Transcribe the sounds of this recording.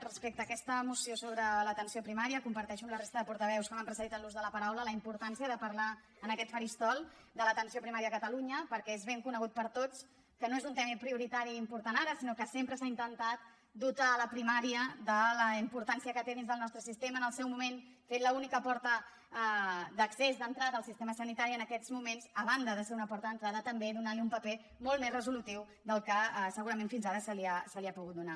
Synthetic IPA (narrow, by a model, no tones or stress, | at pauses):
rəspek̚t̪əːkɛst̪əmusiosoβɾələt̪ənsiopɾimaɾiəkumpəɾt̪ɛʃuəmlərest̪əðəpuɾt̪əβɛwskəməmpɾəsəðit̪ənluzðələpəɾawlələimpuɾt̪ansiəðəpəɾla | ənəkɛt̪fəɾist̪ɔlˠ | d̪ələt̪ənsiopɾimaɾiəəkət̪əluɲəpəɾkɛezβeŋkunəɣut̪̚pəɾt̪ot͡s | kənoezunt̪ɛmipɾiuɾit̪aɾiːmpuɾt̪anaɾəsinokəsempɾəsaint̪ənt̪at̪̚ | d̪ut̪aləpɾimaɾiəd̪ələimpuɾt̪ansiəkət̪eðinzðəlˠnɔst̪ɾəsist̪eməːnəlˠsɛwmumen | fet̪ləunikəpɔɾt̪ə | d̪əksezd̪ənt̪ɾaðəlˠsist̪eməsənit̪aɾiənəkɛd͡zmumenzəβand̪əðəseɾunəpɔɾt̪əðənt̪ɾaðət̪əmbeðunaliumpəpe | molˠt̪mezrəzulut̪iw | d̪əlˠkəsəɣuɾəmenfinzaɾəsəliasəliapuɣut̪̚d̪una